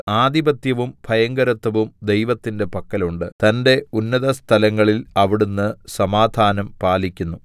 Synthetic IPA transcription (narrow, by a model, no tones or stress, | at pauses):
aːd̪ibɐt̪jɐʋumb̥ʱɐjɐŋɡɐɾɐt̪ːɐʋumd̪e̞jʋɐt̪ːinde̞pɐkːɐluɳɖɨt̪ɐnde̞unːɐðɐst̪ʰɐlɐŋːɐɭilɐʋiɽunːɨsɐmaːd̪ʱaːnɐmpaːlikʲːunːu